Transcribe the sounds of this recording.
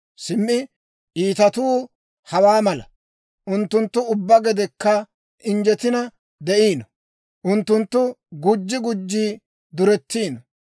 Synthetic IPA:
sɪmːɪ | ʔiːt̪ɐt̪uː | hɐwaːmɐlɐ | ʔʊnt̪ːʊnt̪ːʊʊbːɐɡɛd̪ɛkːɐ | ʔɪnd͡ʒɛt̪ɪnɐ | d̪ɛʔiːnɐ | ʔʊnt̪ːʊnt̪ːʊɡʊd͡ʒːɪɡʊd͡ʒːiː | d̪ʊɾɛt̪ːiːnɐ

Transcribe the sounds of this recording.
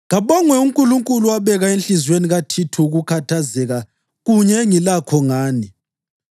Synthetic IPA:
ŋaβɔŋwɛuŋkʼuluŋkʼuluaβɛɣaenɬizweniɣatʰitʰuuɣukʰatʰazɛɣa | ɣuɲɛŋilakʰɔŋaːni

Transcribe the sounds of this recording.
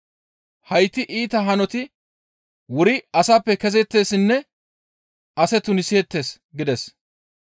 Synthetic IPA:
hɐjt̪ːɪʔiːt̪ɐɦɐnɔt̪ɪ | wʊɾɪɐsaːpːɛkɛzɛt̪ːe̞ːsɪnːɛ | ɐsɛt̪ʊnɪsɪɛt̪ːe̞ːs | ɡɪd̪ɛs

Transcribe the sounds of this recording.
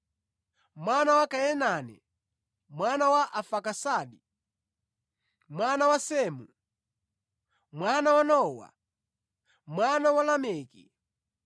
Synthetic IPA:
mwanawakajɛnanɛ̰ | mwanawaʔafakasaːɗi | mwanawasɛmu | mwanawanɔwa̰ | mwanawalamɛːkḭ

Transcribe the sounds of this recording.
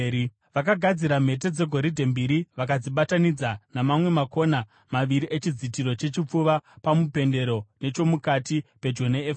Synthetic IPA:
ʋakaɡʱad͡ziɾam̤e̞t̬e̞d͡ze̞ɡʱo̞ɾidʱe̞mbiɾiʋakad͡ziɓatanid͡zanamamwe̞mako̞na | maʋiɾiʔet͡ʃid͡zitiɾo̞t͡ʃe̞t͡ʃip͡fuʋapamupe̞nde̞ɾo̞ne̞t͡ʃo̞mukatipe̞d͡ʒoneef

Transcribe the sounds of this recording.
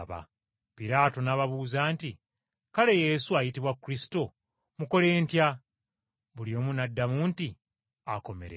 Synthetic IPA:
βa̰ | piɾaːto̞naβaβuːzaːnti | kale̞je̞ːsuajitiβwakːuɾisi̥to̞ | muko̞le̞ːntja | βulio̞ːmunadːamuːnti | ako̞meɾḛ

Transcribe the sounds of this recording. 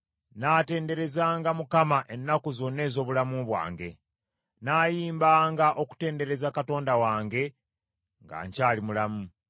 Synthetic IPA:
naːte̞ːnde̞ɾe̞zaːŋɡamukamaʔe̞nːakuzo̞nːe̞ːzo̞ːβulamuβwa̰ːŋɡe̞̰ | naːjiːmbaːŋɡaʔo̞ku̥te̞ːnde̞ɾe̞zakato̞ːndawaːŋɡe̞ | ŋɡa̰ːɲcaːlimulamu

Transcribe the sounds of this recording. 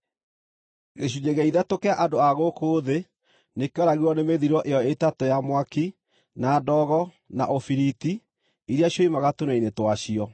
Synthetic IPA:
ɣeɕ̬ud͡ʒeɣɛiðɛtokeaʔadoaɣokoːðe | nekeɔɾaɣiwɔnemeðiɾɔʔejɔetatojamwaki | nadɔɣɔ | na̰ʔofiɾiti | iɾjaɕjɔimaɣatonainetwaɕiɔ

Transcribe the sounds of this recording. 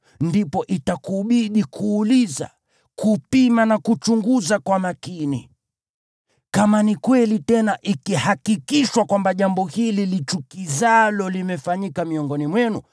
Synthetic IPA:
ndipɔʔitakuɓiɗikʰuːliza̰ | kupimanakut͡ʃuŋɡuzakwamakinḭ | kamanikwɛlitɛnaʔikihakikiʃwakwambaʄambɔhililit͡ʃukizalɔlimɛfaɲikamiɔŋɡɔnimwɛnṵ

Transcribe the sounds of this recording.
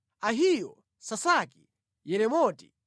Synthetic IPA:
aɦijɔ | sasaki | jɛɾɛmɔti̥̰

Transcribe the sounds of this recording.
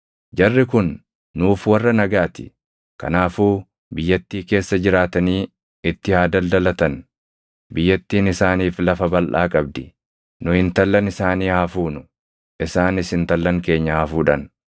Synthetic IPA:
d͡ʒɐrːɪkʊnː | uːfwɐrːɐnɐɡaːt̪ɪ̥ | kɐ̰naːfuː | bɪjːɐt̪ːiːke̞ːsːɐd͡ʒɪɾaːt̪ɐniː | ɪt̪ːɪhaːd̪ɐld̪ɐlɐt̪ɐn | bɪjːɐt̪ːiːnɪsaːniːflɐfɐbɐlʔa̰ːkʼɐb̚d̪ɪ | nʊhɪnt̪ɐlːɐnɪsaːniːhafuːnʊ | ʔɪsaːnɪsɪnt̪ɐlːɐŋke̞ːɲːɐhafuːᶑɐn

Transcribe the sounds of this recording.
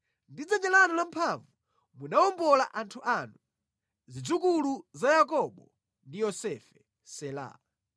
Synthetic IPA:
ndid͡zɛɲd͡ʒɛlanɔlampʰaɱvu | munaɔmbɔla̰ʔantʰuʔanu | zid͡zuk̬uluzajak̬ɔɓɔ | ndijɔsɛfɛ | sɛla̰ː

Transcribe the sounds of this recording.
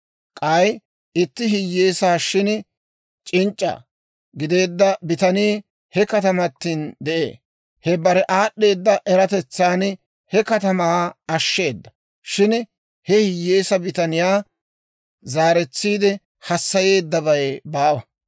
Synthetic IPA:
kʼɐj | ɪt̪ːɪɦɪjːeːsaːʃɪn | t͡ʃʼɪnt͡ʃʼːɐ̰ | ɡɪd̪e̞ːd̪ːɐbɪt̪ɐniː | hɛkɐt̪ɐmɐt̪ːiːnd̪ɛʔḛː | hɛbɐɾɛʔaːɗːe̞ːd̪ːɐʔɛɾɐt̪ɛt͡sːaːn | hɛkɐt̪ɐmaːɐʃːe̞ːd̪ːɐ̥ | ʃɪn | hɛhɪjːeːsɐbɪt̪ɐnɪjaː | zaːɾɛt͡sːiːd̪ɛ | hɐsːɐje̞ːd̪ːɐβɐjbaːwɐ

